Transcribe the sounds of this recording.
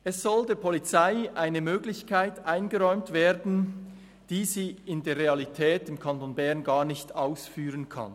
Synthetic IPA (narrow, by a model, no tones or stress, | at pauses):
ʔɛsz̥ɔldeːɐpʰɔlit͡saɪʔaɪnəmøːɡlɪçkʰaɪtʔaɪnɡəʁɔʏmtv̥eːdn̩ | d̥iːziːɪndeːɐʁealitʰɛːtɪmkʰantonbɛɐnɡaːʁnɪçtaʊsfyːʁənkʰa̰n